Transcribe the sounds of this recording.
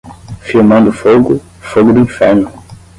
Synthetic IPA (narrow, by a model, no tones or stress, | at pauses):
fiɾmɐ̃nd̪ʊfoɡʊ | foɡʊd̪uĩfɛɾnʊ